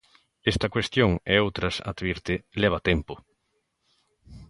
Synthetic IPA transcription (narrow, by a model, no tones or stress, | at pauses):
est̪ɐkwest̪joŋeowt̪ɾɐsa̰d̪βiɾt̪ɪleβ̞at̪empʊ